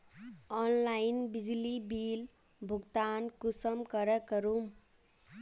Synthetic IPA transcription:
ɔnlainbid͡ʒlibil | bʱuɡt̪ankusəmkʌɾəkəɾum

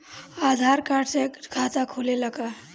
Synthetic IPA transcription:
ad̪ʱaɾkaɾɖsekʰat̪akʰuleləka

